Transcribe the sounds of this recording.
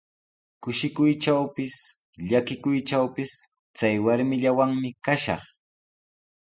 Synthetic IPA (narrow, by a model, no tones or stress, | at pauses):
kʊʃɪkʊjʈ͡ʂawpɪs | ʎakɪkʊjt͡ʃawpɪs | t͡sajwaɾmɪʎawaŋmɪkaʃɑ̰χ